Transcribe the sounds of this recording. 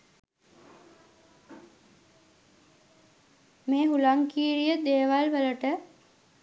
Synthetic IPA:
meːɦulaŋkiːɾijəd̪eːʋalʋələʈə

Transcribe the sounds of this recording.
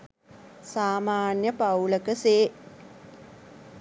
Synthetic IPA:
saːmaːnjəpawləkəseː

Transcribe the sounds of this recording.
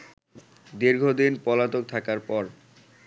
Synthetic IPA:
d̪iɾɡʱod̪inpɔlat̪ok̚t̪ʰakaɾpɔɾ

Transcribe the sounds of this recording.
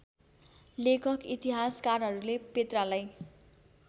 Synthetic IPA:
lekʰʌkit̪iɦaskarɦʌɾulepet̪ralaj

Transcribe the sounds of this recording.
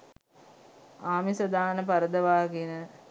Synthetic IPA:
aːmisəd̪aːnəpaɾəd̪əʋaːɡinə

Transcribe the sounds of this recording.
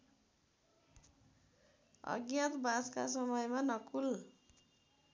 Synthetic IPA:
ʌ̰ɡjãt̪bad͡zka̰sʌmʌjmanʌkul

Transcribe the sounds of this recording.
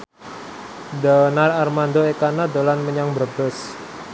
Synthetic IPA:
dənararmand̪oekanad̪olanməɲaŋbərbəs

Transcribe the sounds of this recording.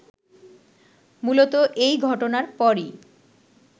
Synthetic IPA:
mulot̪oʔejɡʱɔʈonaɾpɔɾi

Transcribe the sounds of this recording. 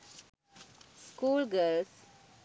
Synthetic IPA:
skuːlɡəls

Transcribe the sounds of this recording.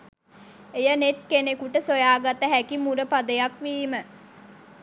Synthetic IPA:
ejənet̪̚kenekuʈəsojaːɡat̪əɦækimuɾəpad̪əjakʋiːmə

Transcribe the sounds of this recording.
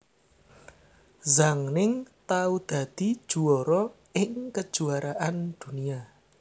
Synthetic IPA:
zaŋnɪŋt̪aud̪̥ä̤d̪̥i̤d̥ʒ̥ṳɔɾɔ | ɪŋkəd̥ʒ̥uaɾaʔand̪̥ṳnia

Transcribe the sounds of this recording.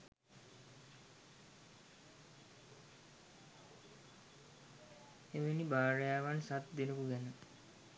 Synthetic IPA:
eʋenibaːɾəjaːʋansat̪d̪enəkuɡɛnə

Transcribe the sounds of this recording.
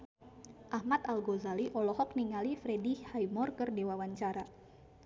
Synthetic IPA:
ʔahmat̪alɡɔzaliʔɔlɔhɔk̚niŋalifɾɛdihajmɔrkərdewawaɲt͡ʃaɾa

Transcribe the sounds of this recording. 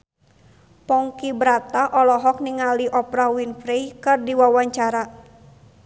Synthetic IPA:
pɔŋkibɾat̪aʔɔlɔɦɔk̚niŋaliʔɔpɾawinfɾejkɨrdiwawaɲt͡ʃaɾa

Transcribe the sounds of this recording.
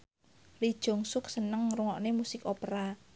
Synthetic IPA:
lid̥ʒ̥o̤ŋsʊk̚sənəŋɾuŋɔʔnemusɪkopɾa

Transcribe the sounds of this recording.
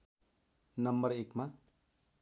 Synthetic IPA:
nʌmbʌrekma

